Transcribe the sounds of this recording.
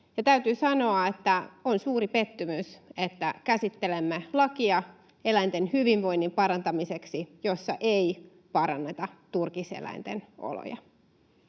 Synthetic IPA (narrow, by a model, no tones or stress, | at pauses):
jɑt̪æyt̪yːsɑno̞ɑet̪ːæonsuːɾipe̞t̪ːymyset̪ːækæsit̪ːelemːelɑkiɑ | e̞læjnt̪enhyʋiʋʋo̞inːimpɑɾɑnt̪ɑmiseksijosːɑʔei | pɑɾɑnːet̪ɑt̪urkisḛlæ̰int̪eno̰lo̰jɑ̰